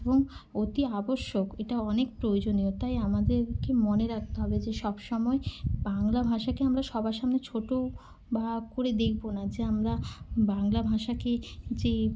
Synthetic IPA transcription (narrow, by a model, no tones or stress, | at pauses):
boŋot̪iaboʃːokeʈaɔnek̚pɾojod͡ʑoniot̪ajamad̪eɾkemoneɾak̚t̪eɦɔbed͡ʑeʃɔbʃɔmɔebaŋlabʱaʃakeamɾaʃɔbʱaʃamnet͡ɕʰoʈo | bakoɾed̪ekʰbonad͡ʑeamɾabaŋlabʱaʃaked͡ʑe